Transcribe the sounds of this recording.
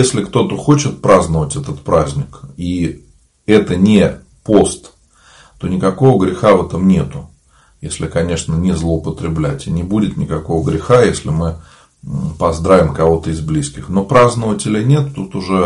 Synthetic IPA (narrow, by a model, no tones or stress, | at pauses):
jesʲlʲɪkt̪o̞t̪əxo̞t͡ɕɪt̪̚pɾaznəvətʲɛt̪ət̪pɾazʲnʲɪki | ɛt̪ənʲɪ | po̞st̪ | t̪o̞nʲɪkɐko̞vəɡɾʲɪxavɛt̪əmnʲe̞t̪ʊ | jesʲlʲɪkɐnʲe̞ʂnənʲɪzlˠəʊpət̪ɾʲɪblʲætʲɪnʲɪbudʲɪt̪nʲɪkɐko̞vəɡɾʲɪxajesʲlʲɪmɨ | pɐzd̪ɾavʲɪmkɐvo̞t̪əɪzblʲiskʲɪxno̞pɾaznəvətʲɪlʲɪnʲe̞t̪t̪ut̪ʊʐɛ